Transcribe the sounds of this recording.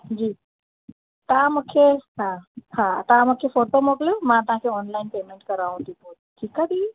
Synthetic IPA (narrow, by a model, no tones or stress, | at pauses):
d͡ʑiː | t̪ɐɦãmũkʰeɦahat̪ɐɦãmukʰefoːʈomokljomãt̪ʊɦãkʰeɔːnlaɪnpeːmẽɳʈkɐɾaːũt̪ʰipo | ʈʰiːkad̪iː